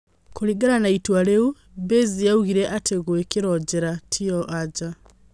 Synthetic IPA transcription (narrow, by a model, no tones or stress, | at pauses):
kuliɡaɾanaitwaleu | βezijauɣiɾeʔateɣwekiɾod͡ʒeɾatʰioʔad͡ʒa